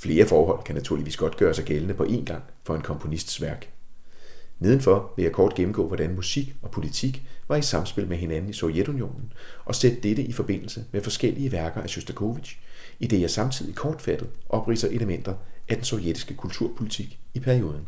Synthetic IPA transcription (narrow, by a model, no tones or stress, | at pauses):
fle̝ːɐfɒːɦɒ̽l̰kʰænæt͡sʰuɐiʋḭːsɡ̥ɒ̽d̥̚ɡ̥ɶːɐsɑ̈ɪɡ̥elənəpʰɒ̽ʔe̝̰nɡ̥ɑ̈ŋ̰fɒ̽e̝nkʰɒ̽mpʰo̝nisd̥sʋæɐɡ̥ | neð̞ˠn̩fɒ̽ʋe̝jɑ̈ɪkʰɒːd̥ɡ̥em̩ɡ̥ɔ̰ːʋɒd̥ænmusiɡ̥ɒ̽pʰo̝lit͡sʰiɡ̥ʋɑ̈id̥sɑ̈msb̥e̝lmeɦe̝nænn̩isɒ̽ʊjed̥unjo̝̰ːnn̩ʔɒ̽sed̥əd̥ed̥əʔifɒ̽b̥e̝n̰l̩səmefɒ̽sɡ̥el̰iəʋæɐɡ̥ɐʔæɕosd̥ækʰo̝ːʋid̥ɕid̥e̝jɑ̈ɪsɑ̈mt͡sʰið̰ˠikʰɒːd̥fæd̥ð̩ˠʔɒ̽b̥ʁḭsɐʔe̝ləmen̰d̥ɐʔæd̥ensɒʊjed̥isɡ̥əkʰult͡sʰuɐ̰pʰo̝lit͡sʰiɡ̥ipʰæɐio̝ːð̞ˠn̩